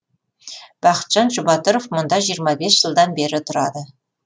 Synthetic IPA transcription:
b̥ɑχə̥t̪ʒ̥ɑnʒubɑt̪oɾofmŏnd̪ɑʒijəɾmɑbʲesʒ̥əlˠd̪ɑnbeɾɪt̪ʰʊɾɑd̪ə

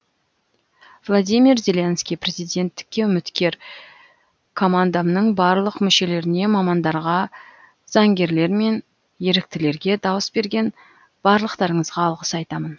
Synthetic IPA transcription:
vlˠod̪ijmirzʲe̞lʲenskʲijpʰɾe̞zijd̪ʲe̞nt̪ːɪ̥kʲːe̞ʏmɪt̪kʲe̞ɾ | kʰo̞mand̪amnəɴbɑɾlˠəqmʏʃe̞le̞ɾɪne̞mɑmɑnd̪ɑɾʁɑ | z̥ɑŋɡʲe̞ɾle̞ɾme̞n | je̞ɾɪk̚t̪ɪle̞ɾɡʲe̞d̪ɑwəsbe̞ɾɡʲe̞n | b̥ɑɾlˠəqt̪ɑɾəɴəzʁɑːlˠʁəsɑjt̪ɑmən

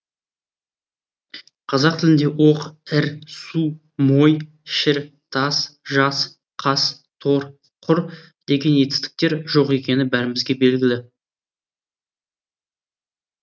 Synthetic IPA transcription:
qʰɑzɑqt̪ʰɪlɪnd̪e̞woqɪɾsu | mo̞j | ʃɪɾt̪ʰɑsʒɑs | qʰɑs | t̪ʰo̞ɾ | qʰʊɾ | d̪̥e̞ɡʲe̞nje̞t̪ɪ̥st̪ɪ̥k̚t̪e̞ɾʒo̞qe̞kʲe̞nɪbæɾɪmɪzɡʲe̞be̞lɡʲɪlɪ

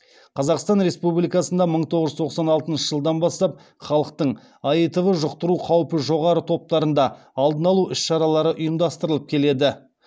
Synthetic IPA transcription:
qʰɑzɑqst̪ɑnɾe̞spublijkɑsənd̪ɑməɴt̪ʰo̞ʁəʒzt̪ʰoqsɑnɑlˠt̪ənʃəʒ̥əlˠd̪ɑnbɑst̪ɑp̚ | χɑlˠəqt̪əɴ | ɑjət̪əvəʒʊqt̪əɾuqʰɑwəpəʒo̞ʁɑɾət̪ʰo̞p̚t̪ɑɾənd̪ɑ | ɑlˠd̪ənɑlˠuʔʏsʃɑɾɑlˠɑɾəʔʊjəmd̪ɑst̪əɾəlˠəp̚kʲʰe̞le̞d̪ɪ

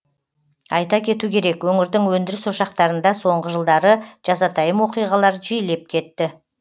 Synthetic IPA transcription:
ɑjt̪ɑkʲʰe̞t̪ukʲʰe̞ɾe̞kwɵŋɪɾd̪ɪŋwɵnd̪ɪɾɪsʊʃɑq̚t̪ɑɾənd̪ɑso̞ɴʁəʒəlˠd̪ɑɾəʒ̥ɑzɑt̪ʰɑjəmwo̞qijʁɑlˠɑɾʒɪjɪle̞p̚kʲʰe̞t̪ːɪ

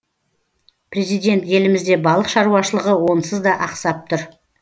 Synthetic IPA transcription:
prʲe̞zijd̪e̞nt̪je̞lɪmɪzd̪e̞bɑlˠəqʃɑɾuwɑʃəlˠəʁəwo̞nsəzd̪ɑʔɑqsɑp̚t̪ʰʊɾ

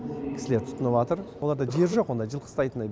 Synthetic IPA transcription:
kʲɪsɪle̞ɾt̪ʰʊ̥t̪ənəβɑt̪əɾwoɑɾd̪ɑʒe̞ɾʒo̞qwo̞nd̪ɑʒəlˠqʰə̥st̪ɑjt̪ənɑj

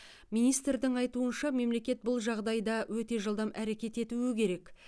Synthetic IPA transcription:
mijnijst̪rd̪ɪŋɑjt̪uənʃɑme̞mle̞kʲe̞t̪̚bʊlˠʒɑʁd̪ɑjd̪ɑwɵt̪e̞ʒəlˠd̪ɑmæɾe̞kʲe̞t̪e̞t̪uɪkʲʰe̞ɾe̞k

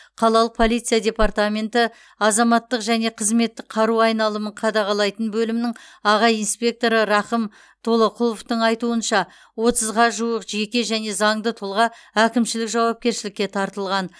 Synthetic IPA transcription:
qʰɑlˠɑlˠəq̚pʰo̞lˠijt̪sijad̪ʲe̞pɑrt̪amʲe̞nt̪ɪ | ɑzɑmɑt̪ːəqʒæne̞qʰəzme̞t̪ːɪk̚qʰɑɾuɑjnɑlˠəməɴqʰɑd̪ɑʁɑlˠɑjt̪ənbɵlɪmɪnɪŋɑʁɑjinspʲe̞k̚t̪o̞ɾəɾɑχəm | t̪ʰo̞lˠəqʰʊlˠoft̪əɴɑjt̪uənʃɑ | wo̞t̪əzʁɑʒuwəqʒe̞kʲe̞ʒæne̞zɑɴd̪ət̪ʰʊlˠʁɑækʲɪmʃɪlɪkʒɑwɑp̚kʲe̞ɾʃɪlɪkʲːe̞t̪ʰɑɾt̪əlˠʁɑn

